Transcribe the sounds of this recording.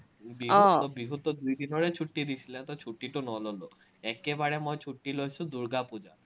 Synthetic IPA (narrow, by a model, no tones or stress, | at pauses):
biɦɔt̪ːobiɦut̪ːod̪ujd̪inoɽet͡ɕʰuʈːid̪it͡ɕʰilet̪ɔt͡ɕʰuʈːiʈonɔlolo | ɛkebaɽemojt͡ɕʰuʈːilojt͡ɕʰud̪uɾɡapud͡ʑa̰